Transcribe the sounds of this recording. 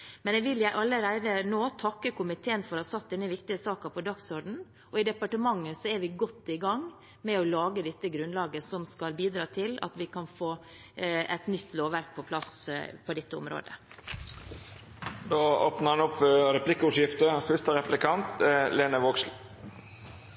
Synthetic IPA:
mɛnɛɡʋɪljæɪʔɑlːəɾæɪd̪ənoːt̪ʰɑkːəkʊmɪt̪ʰeːənfɔɾhɑɾsɑt̪̚d̪ɛnːəʋɪk̚t̪ɪəsɑːkəpʰɔd̪ɑksɔɾɖɳ̩ | ɔɪd̪ɛpɑʈəmɑŋːəsɔæɾʋɪɡɔt̪ːɪɡɑŋ | mɛɔlɑːɡəd̪ɛt̪ːəɡɾʉnlɑːɡəsɔmskɑlbiːd̪ɾɑːt̪ʰɪlɑ̰t̪ʋɪkʰɑnfoː | ɛt̪nʏt̪ːloːʋʋæɾk̚pʰɔpʰlɑspʰɔd̪ɛt̪ːəʊ̰mɾo̰ːd̪ə̰ | d̪oːoːpnəɾhɑnʊpːɾɛplɪkːʊʂjɪft̪əfʏst̪əɾɛplɪkʰɑnt̪leːnəʋoːksl

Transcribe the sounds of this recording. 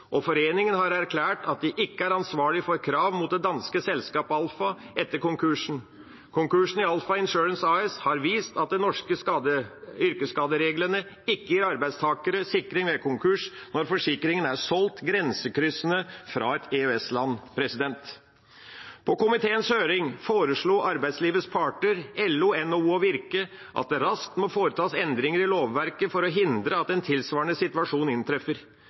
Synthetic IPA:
ʔɔfɔɾeːnɪŋənhɑɾæɾkʰlæːʈʰɑt̪̚d̪ɪʔɪkːəæɾɑnsʋɑːɭɪfɔɾkʰɾɑːʋmuːt̪̚d̪ɛd̪ɑnskəsɛlskɑːpəɑlfɑ | ɛt̪ːəɾkʊŋkʰʉʂn̩ | kʰʊŋkʉʂn̩ɪɑlfɑɪnʃʉːɾənsɑɛshɑɾʋiːst̪ɑt̪̚d̪ɛnɔʂkəɑd̪əʏɾkəskɑːd̪əɾeːɡləɳə | ɪkːəjiːɾɑɾbæɪd̪st̪ʰɑːkəɾəsɪkːɾɪŋʋekʰʊŋkʰʉʂnɔɾfɔʂɪkɾɪŋənæsɔlt̪ɡɾɛnsəkɾʏsənəfɾɑ̰ːɛt̪eøɛslɑnːpʰɾɛsɪd̪ɛnt̪ | pʰɔkʊmɪt̪ʰeːənshøːɾɪŋfoːɾəʂɭoːʔɑɾbæɪsliːʋət̪spʰɑːʈɳəɾɛlːuɛnːouːɔʋɪɾkə | ʔɑ̰t̪̚d̪ɛɾɑskt̪mɔfoːɾət̪ʰɑːsɛnd̪ɾɪŋəɾɪloːʋːæɾkəfɔɾɔɦɪnd̪ɾəɑt̪ɛnt̪ʰɪlsʋɑːɾəɳəsɪt̪ʉʋɑʂuːnɪnt̪ʰɾɛfəɾ

